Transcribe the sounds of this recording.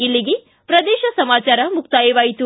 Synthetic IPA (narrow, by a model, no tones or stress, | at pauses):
ilːiɡe | pɾɐd̪eːʃɐsɐmaːt͡ʃaːɾɐmukt̪aːjiʋaːjit̪u